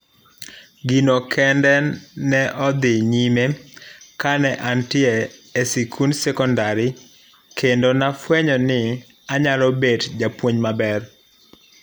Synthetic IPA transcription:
ɡinokʰɛndɛnɛʔɔd̪ɪɲimekanɛʔantɪɛesikʰunsɛkɔndaɾɪ | kendonafwɛɲɔnɪ | aɲalɔbedd͡ʒapwoɲmabɛr

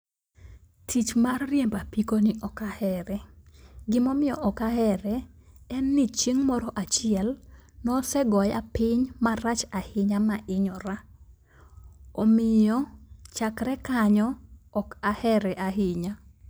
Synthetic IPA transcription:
tʰit͡ʃmarːjɛmbapikonɪʔɔkahɛɾɛɡɪmɔmɪjɔʔɔkahɛɾɛɛnːit͡ʃiŋmɔɾɔʔat͡ʃɪɛlnɔsɛɡɔja̰pɪɲmarat͡ʃahɪɲamaʔɪɲɔɾa | ɔmɪjɔt͡ʃakɾɛkaɲɔːkahɛɾɛʔahɪɲa

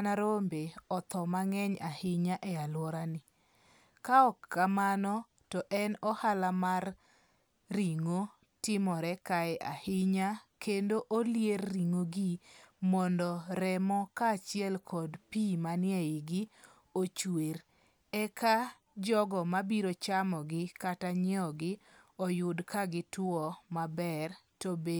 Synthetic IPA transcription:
naɾombeɔt̪ɔmaŋɛɲahɪɲaʔɛalwɔɾanɪ | kaɔkːamanɔ | tɔʔɛnɔhalamarː | iŋo | tɪmɔɾɛkaɛʔahɪɲakendoʔoljerːiŋoɡimɔndɔɾɛmɔkaːt͡ʃɪɛlkʰɔdpimanɪɛɪɡɪ | ot͡ʃweɾ | ɛka | d͡ʒɔɡɔmabiɾot͡ʃamɔɡɪkataɲɪɔɡɪ | ɔjʊdkaɡɪtwɔmabɛrtobe

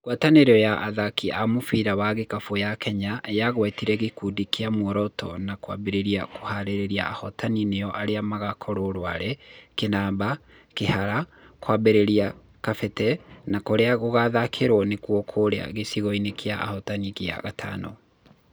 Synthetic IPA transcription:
ɡwataneɾɔjaʔaðakiamofiɾawaɣekafojakɛɲajaɣwɛtiɾɛɣekudikeamwɔɾɔtɔ̰nakwa̰beɾeɾiakʰohaɾeɾeɾia̰ahɔtanineɔʔaɾeamaɣakʰɔɾoɾwaɾɛkenaːba | kehaɾakwabeɾeɾia | kafɛtɛnakoɾeaɣoɣaðakʰeɾwɔnekwokʰoɾea̰ɣesiɣɔinekʰeaʔa̰hɔtanikea̰ɣatʰa̰nɔ̰

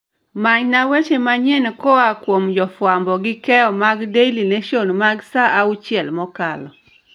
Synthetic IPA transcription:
maɲnawet͡ʃemaɲɛnkɔakwomd͡ʒɔfwambɔɡɪkɛɔmaɡdejlineʃonmaɡsaʔaut͡ʃjɛlmɔkalɔ

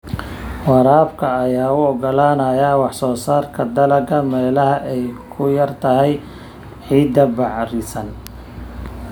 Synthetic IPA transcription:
wɑɾaːbkʰɐːjaːʊɔɡɔlaːnɐjɐwɑħsɔːsaːrkʰɐd̪ɐlɐɡɐmɛːlɐɦɐʔɛjkʰʊjɐrt̪ʰɐɦɛj | ħiːd̪ɐbɑʕrɪsɐn

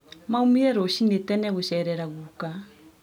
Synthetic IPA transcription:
maumiɛɾɔɕinetɛnɛɣoɕɛɾɛɾaɣuka

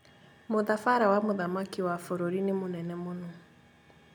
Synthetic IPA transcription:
moðafaɾawamoðamakiwafoɾoɾinemonɛnɛmonɔ

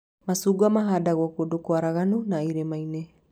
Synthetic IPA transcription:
masuɡamaɦadaɣuakuodokoaɾaɣanunaiɾemajne

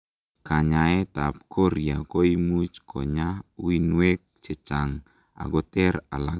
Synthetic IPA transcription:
kaɲaet̪ap̚kʰɔɾiakoimut͡ʃkʰo̰ɲauinuɛk̚t͡ʃɛt͡ʃaŋ | a̰ɡɔt̪ɛrala

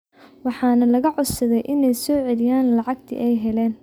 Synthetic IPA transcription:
wɑħɑːnɐlɐɣɐʕʊsɐðɛjʔɪnɛjsɔːʕɛlɪjaːnlɑʕɑɡ̚t̪ʰḭʔɛjɦɛlɛːn

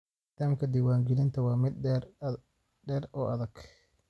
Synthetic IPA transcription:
t̪ʰaːmkʰɐd̪ɪwaːŋɡɪlɪnt̪ʰɐwɑːmɪd̪ | ɖɛːɾɔːʔɐðɐɡ̥

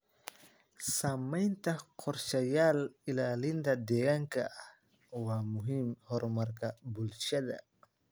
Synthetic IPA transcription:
samajnt̪aqʰɔɾʃajalilalind̪adɛjaŋka | wamuɦimhɔɾmaɾkabulʃad̪a̰

